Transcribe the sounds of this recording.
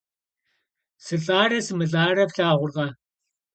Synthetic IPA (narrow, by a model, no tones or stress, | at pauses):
sɨɬʼaːrɐsɨmɨɮʼaːrɐfɬaːʁʷʊrʁɐ